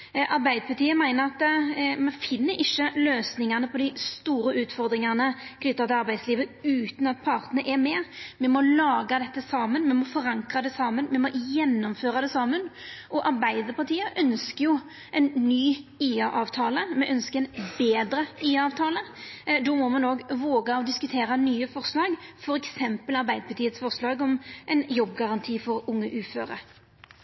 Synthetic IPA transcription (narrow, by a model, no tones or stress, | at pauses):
ʔɑɾbæɪd̪əpʰɑt̪ʰiːəmæɪnəɾɑt̪mɛnfɪnːəɾɪʃːəløːsnɪŋɑnəpʰɔd̪ɪst̪uːɾəʉːt̪fɔɾd̪ɾɪŋɑnəkʰnʏt̪ːəɑt̪ʰɪlɑɾbæɪd̪sliːʋəʉːt̪nɑt̪̚pʰɑɾt̪ənəʔɛɾmɛːmɛmɔlɑːɡɑd̪ɛt̪ːəsɑːmənmɛmɔfɔɾɑŋkʁɑd̪ɛsɑːmənmɛmɔjɛnːɔmføːɾɑd̪ɛsɑːmənʔɔʔɑʁbæɪd̪əɾpɑʁt̪ʰiːəʔœnskəɾjʊ | ʔɛnnyːiːɑʔɑːʋt̪ʰɑːləmɛʔœnskəɾɛnbeːd̪ɾəiːɑːʋt̪ʰɑːləd̪ɔmɔmɑnoːɡʋoːɡɑɔd̪ɪskʉt̪ʰeːɾɑnyːəfɔʁslɑːɡfɔɾɛksɛmpəlɑɾbæɪd̪əɾpʰɑt̪iːət̪sfɔʁslɑːɡɔmʔɛnjɔbːɡɑʁɑnt̪ʰiːfɔɾʊŋːəʔʉːføːɾə̰ɾ